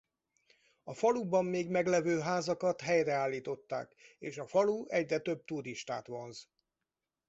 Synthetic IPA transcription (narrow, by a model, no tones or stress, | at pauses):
ɒfɒlubɒmːeːɡmɛɡlɛvøːɦaːzɒkɒt̪ɦɛjrɛaːlːiːt̪o̞t̪ːa̰ːkeːʃɒfɒluɛɟrɛt̪ø̞b̚t̪uɾiʃt̪a̰ːt̪ʋo̞nz